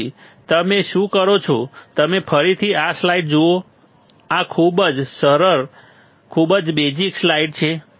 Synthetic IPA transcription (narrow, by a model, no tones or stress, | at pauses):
i | t̪əmeʃũkəɾot͡ʃʰot̪əmepʰəɾit̪ʰiaslaiʈ̚d͡ʒoo | akʰubəd͡ʒsəɾəɾ | kʰubəd͡ʒbed͡ʒikslaiʈ̚t͡ʃʰe